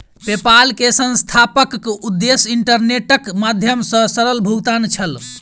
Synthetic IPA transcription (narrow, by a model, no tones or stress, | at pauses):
pepalkesə̃nst̪ʰapəkud̪ːesiɳʈəɾneʈəkmad̪ʱjəmsə̃səɾəlbʱuɡt̪ant͡ʃʰəl